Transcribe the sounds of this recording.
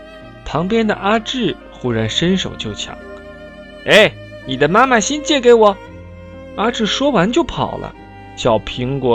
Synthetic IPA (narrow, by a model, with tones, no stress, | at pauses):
pʰɑ˧˥ŋpjɛ˥nd̪ə̰˨ʔa˥ʈ͡ʂɻ̩˥˩ | xu˥ɻa˧˥nʂə˥nʂo˨˩ʊt͡ɕjo˥˩ʊt͡ɕʰjɑ̰˨˩˦ŋ | e˥˩ɪ | ni˨˩d̪ə˦ma˥ma˨ɕi˥nt͡ɕjɛ˥˩ke˧˥ɪwɔ˨˩˦ | a˥ʈ͡ʂɻ̩˥˩ʂwɔ˥wa˧˥nt͡ɕjo˥˩ʊpʰɑ̰˨˩ʊlə̰˦ | ɕjɑ˨˩ʊpʰi˧˥ŋkwɔ˧˥